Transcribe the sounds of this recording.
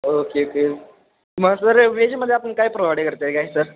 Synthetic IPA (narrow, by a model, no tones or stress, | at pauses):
okeoke | məɡsəɾʋed͡ʑməd̪ʱːjeapəɳkaiːpɾoʋaɽikəɾt̪eɡaɦisəɾ